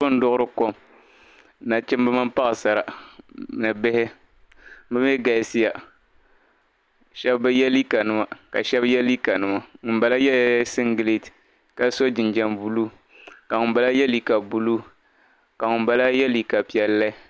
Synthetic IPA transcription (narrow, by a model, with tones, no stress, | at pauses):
ɨ˦n̩˦dʊ˦ʔʊ˦ɾɨ˦ko˦m | na˨t͡ʃɪ˦m˦ba˦ma˦mpa˦ʔsa˨ɾa˨ | nɨ˨bɪ˦hɪ˦ | bɨ˦m˦ɛ˦ɡa˨ɪ˨si˦ja˨ | ʃɛ˦bba˦jɛ˦li˦ka˨nɨ˦ma˦ka˨ʃɛ˦bjɛ˦li˦ka˨nɨ˦ma˨˦ba˨˦la˦jɛ˦sɨ˦ŋɡɨ˨le˦˨t | ka˦so˦d͡ʒɪ˨nd͡ʒɛ˦mbu˦lu˦ | ka˨ŋʊ˨mba˨la˦jɛ˦li˨ka˨bu˦lu˦ | ka˨ŋʊ˨mba˦la˦jɛ˦li˨ka˨pi˨ɛ˨lːa˦